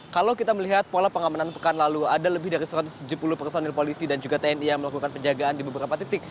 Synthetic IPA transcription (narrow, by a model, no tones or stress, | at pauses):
kalawkit̪aməliɦat̪̚polapəŋamananpəkanlaluadaləbɪhdaɾisəɾat̪ʊst̪ud͡ʒupulʊhpərsonilpolisidand͡ʒuɡat̪eɛnijaŋməlakukanpəɲd͡ʒaɡaːndibəbəɾapat̪it̪ɪk̚